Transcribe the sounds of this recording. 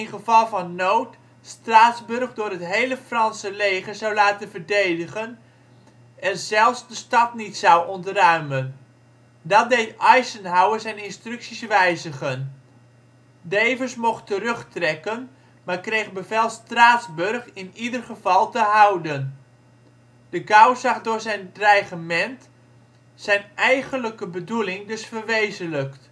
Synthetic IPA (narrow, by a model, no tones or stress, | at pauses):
ɪnχəvɑlˠvɑnːowt | straːtzbɵrχdʊːɹɦətɦejləfrɑnsəlejχəɹzawlaːtənvərdejdəχən | ɛnzɛlˠfsdəstɑtnitsɑwɔntrœɥmən | dɑt̚dejtɑjsənɦawəzɛjnɪnstrɵksisʋɛjzəχən | dejvərsmɔχtəɾɵχtrɛkən | maːɹkrejχbəvɛlˠstraːtzbørχɪnidərχəvɑlˠtəɦawdən | dəɡawzɑχdʊːɹzɛjnrajχəmɛnt | sɛjnɛjɣənləkəbədulɪŋdɵsfərʋejzənləkt